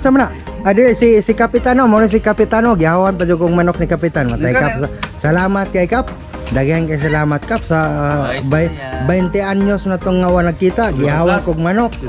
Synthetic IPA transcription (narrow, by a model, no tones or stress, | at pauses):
t͡ʃamnaʔ | adiɾesisikapit̪anomonos̬ikapit̪anoɡiɦawanpad͡ʒukoɡ̚manɔk̚nikapit̪anmat̪aikap̚sasalamat̪̚kaikap̚ | daɡeankas̬alamat̪̚kap̚saba | baint̪eanɲosnat̪ɔŋːawanakːit̪aɡiɦawakɔɡmanɔk̚